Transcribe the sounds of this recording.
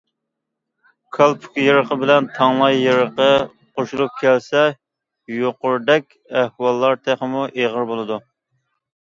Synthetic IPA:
kʰɑlˠpʰu̥kʲjeɾəqəbɪlɛnt̪ʰɑŋlˠɑjːeɾəqə | qʰoʃulˠup̚kʲʰɛlsɛ | joqʊɾd̪ɛkʲɛhwɑlˠːɑɾt̪ʰæχəmuʔeʁəɾbolˠɨd̪u

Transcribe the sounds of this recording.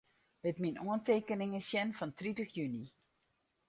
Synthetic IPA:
ətminoənteːkənɪŋəsjɛnfɔntritəxjyni

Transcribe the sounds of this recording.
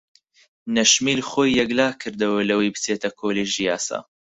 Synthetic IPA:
nɐʃmiːlχoːjːɛɡlaːkʰɨɾd̪ɐwɐlɐwejbɨt͡seːt̪ɐkʰoːleʒijaːsa̰ː

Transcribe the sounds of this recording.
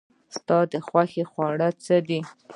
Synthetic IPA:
st̪ɑd̪əxwaxexwɑɽət͡səd̪i

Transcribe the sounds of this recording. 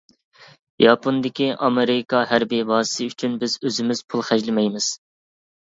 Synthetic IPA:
jɑpʰond̪ɪkʲiʔɑmeɾɪkʰɑɦæɾbivɑːsɨ̥sɨyt͡ʃʰynbɪzøzɪmɪz̥pʰulˠχæʒlɪmɛjmɪz̥

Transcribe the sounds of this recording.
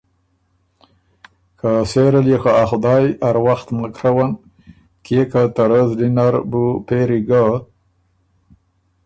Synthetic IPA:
kaseɾaljexaaxud̪ɑjaɾwaxt̪makɾawan | kekat̪aɾəzdinaɾbupeɾiɡa

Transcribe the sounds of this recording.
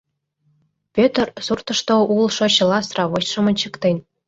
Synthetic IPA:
pʲøt̪rsurt̪ɤ̆ʃt̪oulˠʃŏɕɤ̆lˠɑsrɑβoɕʃɤ̆mɤ̆nʲt͡ɕɤ̆kt̪enʲ

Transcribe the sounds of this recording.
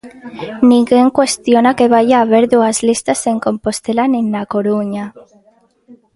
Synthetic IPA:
nĩŋɡe̞ŋkwe̞st̪jo̞nake̞β̞aʝaːβ̞e̞ɾðuazlist̪ase̞ŋko̞mpost̪e̞laninːako̞ɾuɲa

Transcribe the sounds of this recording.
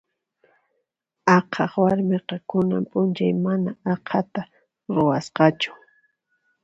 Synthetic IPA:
ɑqʰɑχwaɾmeqɑkʊna̰mpʼʊnt͡ʃajmanaɑqʰat̪a | ɾʊwasqɑt͡ʃʊ̥

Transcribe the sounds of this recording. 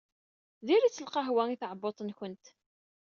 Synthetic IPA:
ðiɾit͡sːəlqɑɦwæŋiθʕəbot̪ˤənçənt̪

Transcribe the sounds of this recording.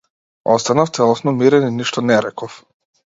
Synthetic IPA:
ɔst̪anaft̪sɛlˠɔsnɔmiɾɛniniʃt̪ɔnɛɾɛkɔf

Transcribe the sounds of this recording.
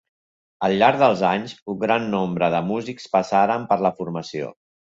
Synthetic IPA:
əlˠʎaɾɡðəlˠzaɲsuŋɡɾanːɔmbɾəðəmuzikspəsaɾəmpəɾləfuɾməsio̰

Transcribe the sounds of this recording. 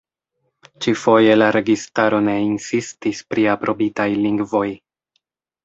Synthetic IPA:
t͡ʃifo̞je̞laɾe̞ɡistaɾo̞ne̞insistispɾiapɾʔo̞bitajliŋɡvo̞j

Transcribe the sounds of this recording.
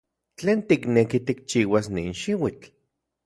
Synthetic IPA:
t͡ɬeːnt̪iknekit̪ik̚t͡ʃiːwasnḭːnʃiwit͡ɬ

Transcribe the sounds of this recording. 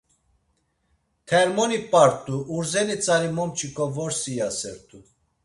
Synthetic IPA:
t̪ʰɛɾmɔnipʼaɾt̪ʼuʔuɾzɛnit͡sʼaɾimɔmt͡ʃʰʼikʰʼɔvɔɾsijasɛɾt̪ʰʼu

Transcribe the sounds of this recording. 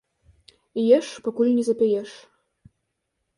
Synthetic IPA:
jeʃpŏkulʲnʲizĕpʲejeʃ

